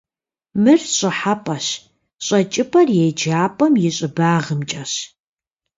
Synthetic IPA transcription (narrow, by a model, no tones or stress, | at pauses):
mɨrɕʼɪħapʼɐɕ | ɕʼɐt͡ʃʼɪpʰʼɐrjejd͡ʒaːpʼɐmjɪɕʼɪbaːʁəmt͡ʃʼɐɕ